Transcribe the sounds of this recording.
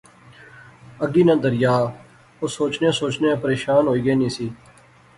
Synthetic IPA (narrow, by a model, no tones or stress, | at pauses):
əɡiːnãːd̪əɾɪjaː | oːsoːt͡ʃnẽːsoːt͡ʃneːpəɾeːʃaːnɦoːiːɡeːnĩːsiː